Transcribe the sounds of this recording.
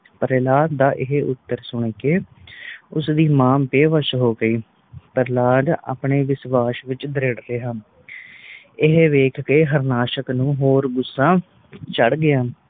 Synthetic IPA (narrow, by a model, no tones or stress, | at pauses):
pəɾeːlaːt̪d̪aːʔɪɦeʔʊt̪ːəɾsʊɳ̃eːkeː | ʊsd̪iːmaːmpeːʋəʃɦoːɡəiː | pəɾlaːɖa̰ːpɳeːʋɪsʋaːʃʋɪt͡ʃd̪ɾeɽɾeːɦaː | ɪɦeʋeːkʰkeːɦəɾnaːʃəknũːɦoːɾɡʊsːãː | t͡ʃəɽɡɪjaː